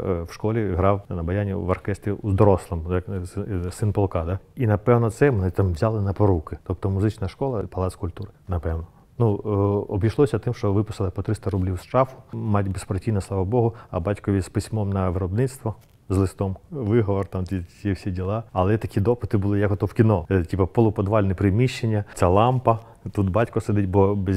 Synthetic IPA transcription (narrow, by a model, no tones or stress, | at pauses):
wʃkɔlʲiɦɾɑwnɐbɐjanʲḭʋɐrkɛst̪ʋʲiʔuzd̪ɔɾɔslˠɔmjɐksɪnpɔlˠkɑd̪ɐinɐpɛwnɔt̪sɛmnɪt̪amʋzʲalˠɪnɐpɔɾukɪt̪ɔpt̪ɔmʊzɪt͡ʃnɐʃkɔlˠɐpɐlˠɑt̪skʊlʲt̪uɾɪnɐpɛwnɔ | nuɔbʲijʃlˠɔsʲɐt̪ɪmʃt͡ʃɔʋɪpʊsɪlˠɪpɔt̪ɾɪst̪ɐɾublʲiwsʃt͡ʃɑfʊ̥mɑtʲbespɾɐtʲijnɐslˠɑʋɐbɔɦʊɐ̰bɑtʲkɔʋʲispɪsʲmɔmnɐʋɪɾɔbnɪt̪st̪ʋɔ | zlˠɪst̪ɔmʋɪɦɔʋɔrt̪ɑmt̪ʲijɛfsʲidʲilˠɑɐlˠɛt̪ɐkʲid̪ɔpɪt̪ɪbʊlˠɪjɐkɦɔt̪ɔwkʲinɔtʲipɐpɔlˠʊpɔd̪ʋɑlʲnɪpɾɪmʲiʃt͡ʃːenʲːɐt͡s̪ʲalˠɑmpɐ | t̪ut̪bɑtʲkɔsed̪ɪtʲbɔb